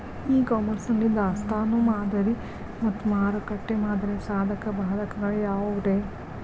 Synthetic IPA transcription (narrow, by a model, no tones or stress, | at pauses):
iːkaːmɐɾsnɐlːind̪ɐːst̪aːnomaːd̪ɐɾi | mɐt̪ːumaːɾɐkɐʈːemaːd̪ɐɾisaːd̪ʱɐkɐbʱaːd̪ʱɐkɐɡɐɭjaːʋoʋd̪eː